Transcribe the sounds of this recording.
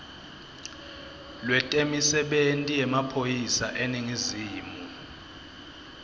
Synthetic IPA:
lwɛtʼemisɛɓentʼijɛmapʰojisaʔeniŋiziːmu

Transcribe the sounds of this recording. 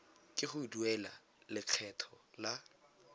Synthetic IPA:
kʼɪχʊduɛla | lɪq͡χʰɛtʰɔla

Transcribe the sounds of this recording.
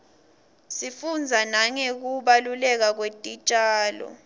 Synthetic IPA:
sifund͡zʱanaŋɛk̬uɓalulɛk̬ak̬wetʼit͡ʃʼaːlɔ̰

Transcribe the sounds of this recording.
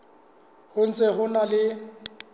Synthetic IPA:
hʊn̩t͡sʼɛɦʊnalɪ

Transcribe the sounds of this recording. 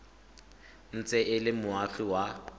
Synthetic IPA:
n̩t͡sʼɛɪlɪmʊaɬiwa

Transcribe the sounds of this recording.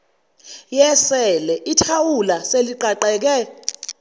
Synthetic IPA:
jɛsɛlɛʔitʰawulaseliǃaǃɛːk̬ɛ

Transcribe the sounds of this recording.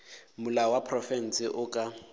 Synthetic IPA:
mʊlawapʰrɔfɛn̩sɪʔʊkʼa

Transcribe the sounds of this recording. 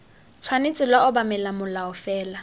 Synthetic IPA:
t͡sʰwanɪt͡sʼɪlwaʊbamɛlamʊlaʊfɛːla

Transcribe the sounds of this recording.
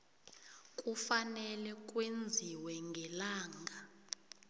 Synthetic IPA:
k̬ʼufanɛlɛk̬ʼwend͡zʱiwɛŋɡʱɛlaːŋɡʱa

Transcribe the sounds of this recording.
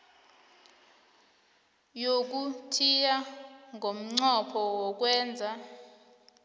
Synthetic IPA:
jok̬utʰijaŋʱom̩ŋ͡ǀɔpʰɔwɔk̬wɛːnd͡zʱa

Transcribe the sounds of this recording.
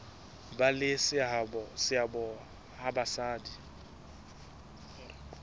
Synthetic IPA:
balɪsɪabɔsɪabɔ | habasaːdi

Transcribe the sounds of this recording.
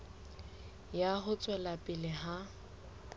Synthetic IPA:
jaɦʊt͡sʼwɛlapʼɪlɪɦa

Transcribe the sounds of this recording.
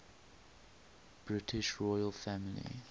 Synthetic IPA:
b̥ɹɪtʰɪʃɹɔjəlˠfæmɪlḭ

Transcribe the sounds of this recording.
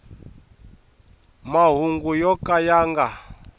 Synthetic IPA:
maɦuŋɡujɔkajaːŋɡa

